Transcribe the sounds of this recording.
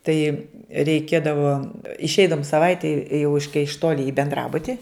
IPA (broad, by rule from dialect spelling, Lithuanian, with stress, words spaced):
ˈtɐɪ rʲɛɪˈkʲeːdɐʋoː ɪʃʲˈɛɪdɐʋʊm sɐˈʋɐɪtʲɛɪ jɛʊ ɪʃ kɐɪ ɪʃ ˈtoːlʲɪ ɪ bʲɛnˈdrɑːbʊtʲɪ